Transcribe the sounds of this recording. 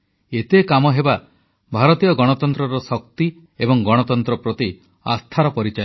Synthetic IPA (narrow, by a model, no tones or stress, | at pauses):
et̪ekamɔɦeba | bʱaɾɔt̪ijɔɡɔɽ̃ɔt̪ɔnt̪ɾɔɾɔsɔk̚t̪i | ebɔŋɡɔɽ̃ɔt̪ɔnt̪ɾɔpɾɔt̪i | a̰st̪ʰaɾɔpɔɾit͡ʃa